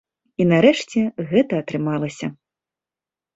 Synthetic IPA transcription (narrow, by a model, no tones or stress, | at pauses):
inɐɾɛʂt͡sʲɛɣɛt̪ɐːt̪ɾɨmalˠɐsʲɐ